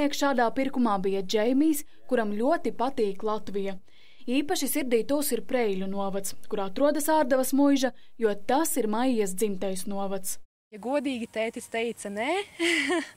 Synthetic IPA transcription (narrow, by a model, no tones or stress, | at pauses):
iɛkʃaːd̪aːpiɾkumaːbijad͡ʒɛjmijs | kuɾamlʲuɔt̪ipat̪iːklˠat̪vija | iːpaʃisiɾd̪iːt̪uːsiɾpɾɛjlʲunuɔvat̪skuɾaːt̪ɾuɔd̪ɐsaːɾd̪avɐsmujʒɐjuɔt̪asiɾmajijas̬d̪zimt̪ɛjsnuɔvat̪s | jaɡuɔd̪iːɡʲit̪ɛːt̪ist̪ɛjt̪sɐnɛ